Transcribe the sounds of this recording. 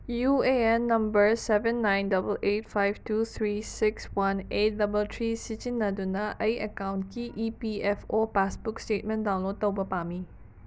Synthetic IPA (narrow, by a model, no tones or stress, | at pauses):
jueɛ̃nːãmbəɹsɛvə̃nːãjndʌbəlʔet̚fajvtut̪ʰɹisɪkswãnet̚dɐbəltʰɹisit͡ʃinːadunaʔəjʔəkãwnkiʔipiɛfopasbukstet̚mɛ̃ndãw̃nlod̚t̪əwbəpami